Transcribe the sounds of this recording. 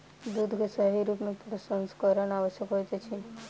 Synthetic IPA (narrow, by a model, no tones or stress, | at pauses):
d̪ud̪ʱkesəɦiɾupnupɾəsənskəɾənaʋəʃjəkɦojt͡ʃet͡ʃʰi